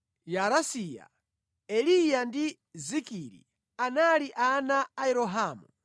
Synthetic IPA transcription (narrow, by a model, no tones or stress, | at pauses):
jaɾasiːja̰ | ɛlijandi | zikiɾḭ | analiʔanaːɛɾɔɦaːmu